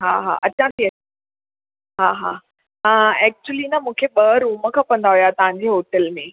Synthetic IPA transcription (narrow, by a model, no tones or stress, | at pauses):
ɦa̰ɦa̰ʔɐt͡ɕãt̪ʰiɐ | ɦaɦa̰ː | ə̃ɛːk̚t͡ɕuəlinɐmũːkʰeɓɐɾuːmə̆kʰãːpɐ̃nd̪aɦujat̪ɐʋ̤ãɲ̆d͡ʑeɦoːʈəlmẽ